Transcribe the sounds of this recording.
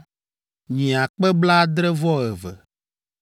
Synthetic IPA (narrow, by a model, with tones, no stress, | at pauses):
ɲĩ˨a˨k͡pɛ˦bla˦d̪ɾɛ˦vɔ˦ɛ˨vɛ̰˨